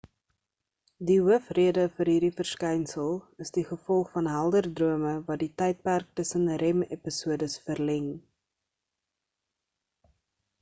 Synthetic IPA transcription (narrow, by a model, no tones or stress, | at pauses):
diɦuəfriədəfəɾɦiːrdifərskɛjnsəlˠəsdiχəfɔlˠχfɐnɦælˠdərdruəməvɐditɛjt̚pærk̚təsənrɛmḛpisuədəsfərlɛŋ